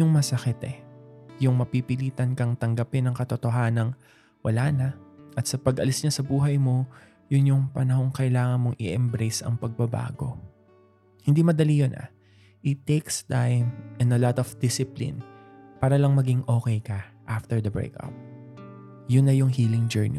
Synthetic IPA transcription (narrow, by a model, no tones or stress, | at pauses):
ʊŋmɐsɐkɪt̪ɛjʊŋmɐpipɪliːt̪ɐnkɐŋt̪ɐŋɡɐpɪnːɐŋkɐt̪ot̪o̞ɦaːnɐŋ | wʔɐlaːnɐʔɐt̪sɐpɐɡʔɐlɪsɲasɐbuːɦɐjmo̞ | jʊnjʊŋpɐnɐɦo̞ŋkɐʔɪlaːŋɐnmo̞ŋʔɪ̰ʔɛmbɾejsɐ̰ŋpɐɡ̚bɐba̰ːɡo̞̰ | hɪnd̪imɐd̪ɐlijonʔɐ̰ | ʔɪt̪ːekst̪ajmʔɛnɐlɔt̪ɔfd̪ɪsɪplḭnpaːɾɐlɐŋmɐɡiŋʔo̞ːkɛjkɐʔaft̪ɛɹd̪ɐbɹḛkɐ̰p̚ | jʊnːɐjʊŋhiːlɪŋd͡ʒɛɹnḭ